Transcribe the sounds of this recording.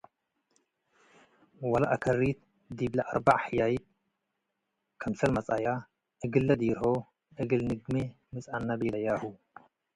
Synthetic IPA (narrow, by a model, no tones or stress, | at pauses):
wɐlaʔakʰɐrːit̪̚ | d̪iblaʔa̰ɾbaʕħɨjajit̪̚ | kʰɐmsɐlmɐt͡sʼaja | ʔɨɡɨlːɐd̪ijɾho | ʔɨɡɨlnɨɡme | mɨt͡sʼanːabilɐjahu